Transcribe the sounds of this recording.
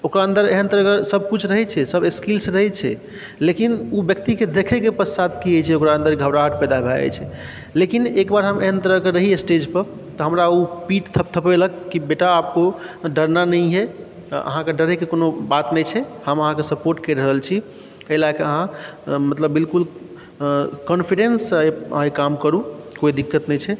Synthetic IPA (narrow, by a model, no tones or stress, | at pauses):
okɾaə̃nd̪əɾeɦənt̪əɾəkəɾsəb̚ʱkut͡ʃʰɾəɦɛt͡ʃʰɛsəbeskilsɾəɦɛt͡ʃʰɛ̰ | lekinubjəkt̪iked̪ekʰɛkepəsat̪̚ʰkiet͡ʃʰɛokɾaə̃nd̪əɾɡʱəbɾaɦəʈpɛjd̪abʱɛɛ̰t͡ʃʰɛ | lekinekbaɾɦəmeɦənt̪əɾəkeɾəɦiesʈed͡ʒpə | t̪ɔɦəmɾaupiʈt̪ʰəp̚t̪ʰəpeləkːibeʈaːp̚koɖəɾnanəjɦɛ | ə̰ɦãkeɖəɾekekonobat̪nɛjt͡ʃʰɛhəməɦãkesəpoɾʈkəɾəɦəlt͡ʃʰi | əlakeəɦãmət̪ləbːilkul | kənpʰiɖensjə̰ɦãkamkəɾukoid̪ikːət̪nɛjt͡ʃʰɛ